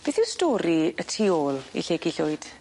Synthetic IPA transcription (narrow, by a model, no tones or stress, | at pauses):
b̥eːθɪwstɔːɾiətʰioːlˠḭɬeɡiɬʊɨd̥